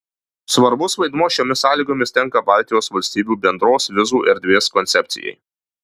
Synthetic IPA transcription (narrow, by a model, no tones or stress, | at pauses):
sʋɐɾbʊsʋɐɪd̪muɔʃʲoːmʲɪsɑːlʲiːɡoːmʲɪst̪ʲɛŋˑkɐbɑˑlʲt̪ʲɪjoːsʋɐlʲsʲt̪ʲiːbʲuːbʲɛnd̪ɾoːsʋʲɪzuːʔɛɾʲd̪ʲʋʲeːskɔnʲt̪sʲɛpʲt̪sʲɪ̰jɛ̰ɪ